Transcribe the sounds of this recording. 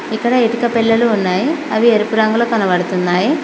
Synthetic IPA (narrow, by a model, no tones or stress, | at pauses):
ikːɐɽɐeʈikɐpilːɐluːnːaːjiɐʋieɾupuɾɐŋɡuloːkɐnɐʋɐɽut̪unːaːji